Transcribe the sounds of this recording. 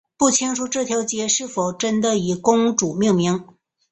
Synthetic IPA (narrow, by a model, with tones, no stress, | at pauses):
pu˥˩t͡ɕʰi˥ŋʂu˧˥ʈ͡ʂɤ˥˩t̪ʰjɑ˧˥ʊt͡ɕjɛ˧˥ʂɻ̩˥˩fo˨˩ʊʈ͡ʂə˥nd̪ə˨i˨˩kʊ˥ŋʈ͡ʂu˨˩mi˥˩ŋmi˧˥ŋ